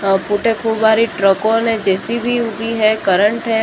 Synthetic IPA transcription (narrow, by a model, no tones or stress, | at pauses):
puʈekʰubbaɾiʈɾəkoned͡ʒesibʱiubʱiɦɛkəɾəɳʈɦɛ